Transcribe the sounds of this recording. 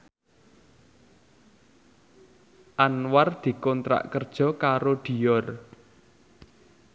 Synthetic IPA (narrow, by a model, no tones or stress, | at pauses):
ʔanward̪̥i̤kɔnt̪ɾa̰ʔkərd̥ʒ̥ɔ̤kaɾoɖ̪̥i̤jɔr